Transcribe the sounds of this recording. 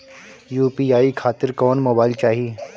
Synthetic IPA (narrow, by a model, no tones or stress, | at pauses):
juːpiaːikʰaːt̪ɪɾkɔːnmoːbaːɪlt͡ʃaːɦi